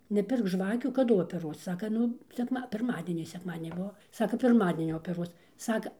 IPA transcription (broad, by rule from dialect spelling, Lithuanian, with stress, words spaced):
nʲɛˈpʲɪrk ˈʒʋɑːkʲuː kɐˈdʊ oːpʲɛˈruɔs ˈsɑːkɐ ˈnʊ sʲɛkˈmɐ pʲɪrˈmɑːdʲiɛnʲiː sʲɛkˈmɑːdʲiɛnʲɪ ˈbʊʋoː ˈsɑːkɐ pʲɪrˈmɑːdʲiɛnʲiː oːpʲɛˈruɔs ˈsɑːkɐ